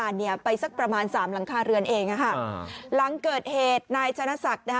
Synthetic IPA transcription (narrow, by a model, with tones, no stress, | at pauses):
aː˧nːi˥˩ɐpa˧jsa˦˥˩k̚pɾa˧maː˧nsaː˩˦mla˩˦ŋkʰaː˧ɾɯ˧ənʔeː˧ŋa˧˩kʰa˥˩la˩˦ŋkɤː˨˩t̪̚heː˨˩t̪̚naː˧jt̪ʰa˧na˦˧˥sa˨˩k̚na˦˥